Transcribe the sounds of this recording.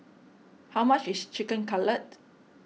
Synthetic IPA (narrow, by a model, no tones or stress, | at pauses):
hawmat͡ʃist͡ʃikə̃nkalət̚